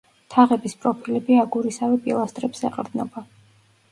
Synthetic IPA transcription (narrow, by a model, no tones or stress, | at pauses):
t̪ʰaʁɛbispʼɾɔpʰilɛbiaɡuɾisavɛpʼḭlˠast̪ʼɾɛpsɛqʼɾd̪nɔ̰ba